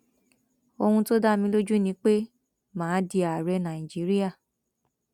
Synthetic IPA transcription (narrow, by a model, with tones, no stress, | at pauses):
o˧hũ˧to˦da˦˨mĩ˧˦lo˦d͡ʒu˦nĩ˨˦k͡pe˦ | mãː˨˦di˧a˨ɾɛ˧˦nã˨i˨d͡ʒi˨˦ɾi˦a˦˨